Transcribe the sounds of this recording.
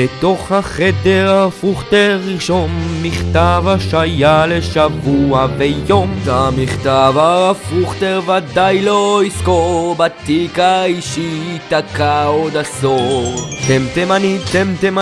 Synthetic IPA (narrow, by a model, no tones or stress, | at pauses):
bet̪o̞χhaχed̪eʁafuχt̪eʁiʃonmiχt̪avaʃajaleʃavuavejomtamiχt̪avaːfuχt̪eʁvad̪ajloiskobat̪ikaiʃit̪akaod̪asoʁt̪emt̪emanit̪emt̪em